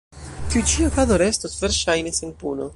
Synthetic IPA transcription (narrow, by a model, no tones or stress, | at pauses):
kut͡ʃiokad̪oɾest̪osveɾʃajnesenpuno